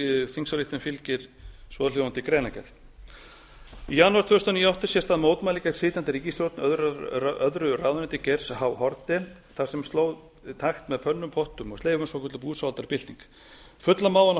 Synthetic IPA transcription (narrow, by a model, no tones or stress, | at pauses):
θiŋsaliht̪ɪnfɪlcɪɾ̥svɔːðʏl̥jowant̪ɪkɾɛːnacɛ̰l | ijanuaɾ̥t̪ʰœːʏst̪aniːawht̪ʏsjɛst̪aðmoːwt̪majlikasɪːt̪ant̪ɪɾiːcist̪ɾowt̪nœðœðɾʏraðʏnɛnt̪ɪcɛɾ̥shawhɔɾt̪ɪ | θḁsɛmst̪loːwð | t̪ʰaxt̪mɛðpʰœnːʏmpʰɔht̪ʏmɔɣsleːjvʏnsɔkʏt̪ʏpuːðsalt̪aɾpɪl̥t̪iŋk | fʏt̪lamaːwðan